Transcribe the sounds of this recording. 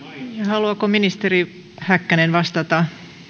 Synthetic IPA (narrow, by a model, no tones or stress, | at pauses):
jɑhɑluɑkominist̪eri | hækːænenʋɑst̪ɑt̪ɑ